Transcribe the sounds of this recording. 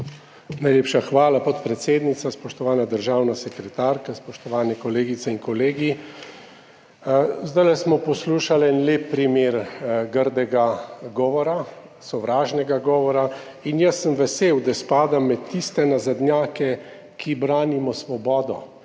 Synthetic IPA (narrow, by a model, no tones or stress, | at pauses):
najleːpʃaxʋaːlapɔt̪pɾɛt̪seːd̪nit̪saspɔʃt̪ɔʋaːnad̪əɾʒaːwnasɛkɾɛt̪aːɾkaspɔʃt̪ɔʋaːnɛkɔleːɡit̪sɛiŋkɔleːɡi | zd̪ajlɛsmɔpɔsluːʃalɛnleːpːɾimeːɾɡəɾd̪ɛɡaɡɔːʋɔɾa | sɔʋɾaːʒnɛɡaɡɔːʋɔɾa | injəsːəmʋɛseːwd̪aspaːd̪amːɛt̪ːist̪ɛnazad̪njaːkɛ | kʰibɾaːnimɔsʋɔbɔːd̪ɔ̰